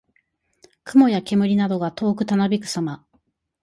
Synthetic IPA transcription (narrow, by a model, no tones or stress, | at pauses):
kɯ̟mo̞jake̞mɯ̟ɾʲinad̪o̞ɡat̪o̞ːkɯ̟t̪anobʲikɯ̟̥sama